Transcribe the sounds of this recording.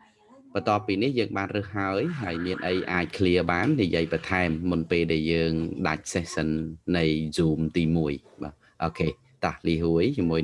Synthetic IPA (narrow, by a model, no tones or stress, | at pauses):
pɑt̪ŏəpːiːnihjəːŋɓaːnrɨhːaəjɦaəjmiənʔəjʔaːc̚kʰliəɓaːnːijiəjpɑt̪ʰaɛmːunpeːlɗaɛljəːŋɗac̚sehsɨnːɨjzuːmt̪iːmuəjɓaː | ʔɔːkʰeː | t̪ahliːɦuəjt͡ɕmuəj